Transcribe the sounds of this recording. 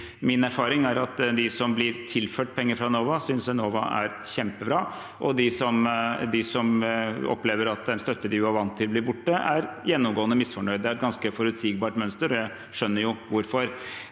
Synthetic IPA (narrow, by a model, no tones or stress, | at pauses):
mɪnæɾfɑːɾɪŋæɾɑt̪d̪ɪsɔmblɪɾt̪ʰɪlføːʈ̚pʰɛŋːəɾfɾɑnoːʋɑsʏnsɛnoːʋɑ̰æ̰ɾçɛmpəbɾɑː | ʔɔd̪ɪsɔmd̪ɪsɔmɔ̰pleːʋəɾɑt̪d̪ɛnst̪œt̪ːəd̪ɪjʊɑɾʋɑnt̪ʰːɪlblɪɾbʊʈːəæɾjɛnːɔmɡoːənəmɪsfɔɳœʏd̪d̪ɛæɡɑnskəfɔɾʉt̪siːɡ̚bɑːʈmœnst̪əɾɔjæɪ | ʂœnːəɾjʊʋʊɾfɔɾ